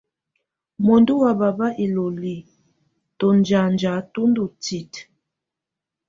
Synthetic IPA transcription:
mo˨ndu˦wa˨ba˨ba˦ʔi˨lo˨li˨ | to˨nd͡ʒa˨nd͡ʒa˨˦tu˦ndu˨ti˨t

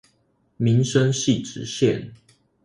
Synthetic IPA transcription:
mi˨˦nʂə˦ŋɕi˥˨ʈ͡ʂɻ̩˨˩ɕjɛ˥˨n

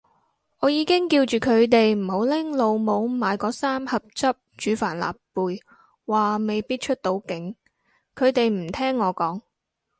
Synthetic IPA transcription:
ŋɔː˨˧jiː˨˧kɪ˥ŋkiː˧wt͡ʃyː˨˩kʰɵ˨˧ɥt̪̬e˨jm̩˨˩ho˨˥wlɪ˥ŋlo˨˧wmo˨˧wmaː˨˧jkɔː˨˧˥saː˥mhɐ˨p̚t͡sɐ˥p̚t͡ʃyː˨˧faː˨˩nla̰ː˨pːuː˨j | waː˨me˨jpiː˥t̚t͡ʃʰɵ˥t̚t̪o˨˧˥wkɪ˨˥ŋ | kʰɵ˨˧ɥt̪e˨jm̩˨˩t̪ʰɛː˥ŋːɔː˨˧kɔː˨˥ŋ

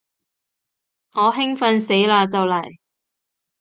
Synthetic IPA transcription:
ŋɔː˨˧ɦɪ˥ŋfɐ˧nse˨˥jlaː˧t͡sɐ˨wlɐ˨˩j

